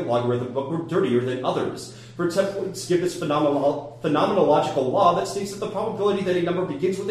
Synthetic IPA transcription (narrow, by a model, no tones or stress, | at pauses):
lɑɡwə˞ðəbʊkwə˞dɜ˞ɾiə˞ðɨ̃nʌðə̰˞z̥ | fə˞tʰɛ̃plˠsɡ̥ɪvðɪs | fɨnɑmənəlɑd͡ʒɨkl̩ˠlɔðɨtsteɪtsðɨt̪̚ðəpʰɹ̥ɑbəbɪlˠəɾiðɨɾɨnʌ̃mbə˞bɨɡɪ̃nzwəð